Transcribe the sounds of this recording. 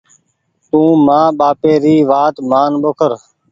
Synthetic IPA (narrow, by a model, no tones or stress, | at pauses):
t̪ũːmãːɓaːpeːɾiːʋaːt̪maːnɓokʰəɾ